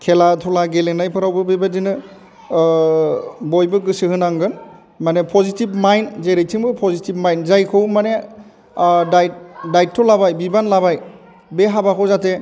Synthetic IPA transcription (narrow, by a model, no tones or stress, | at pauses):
kʰelatʰɔlaɡeleŋnajpʰɯɾawbɯbebadinɯ | bojbɯɡɯsɯhɯnaŋɡɯn | manepʰɔzitib̚majnzeɾɯjtʰiŋbɯpʰɔzitib̚majnzajkʰɯwmane | daj̚dajt̚tʰːɔlabajbibanlabaj | beɦabakʰɯwzate